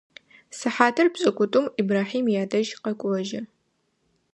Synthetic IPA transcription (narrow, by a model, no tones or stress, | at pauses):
sɨħaːtʰɐrbɕʼɐkʷʼʊtʼʊmibraːħiːmjaːdɐʒqɐkʷʼɐʒɐ